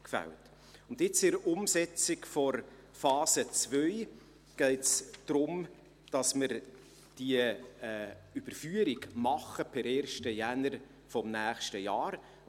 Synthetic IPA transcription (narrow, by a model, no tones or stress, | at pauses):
kfæ̰lt | ʊndɪt͡sɪɾʊmsɛt͡sikfɔɾ | fɑːsət͡svœʏ | ɡ̥ɛɪtsd̥ɾʊm | d̥ɑsməɾ | d̥iə | yb̥əɾfyəɾiɡmɑχəpʰɛɾɛːɾʃtəjænəɾ | fɔmnæːχʃtəjɑːɾ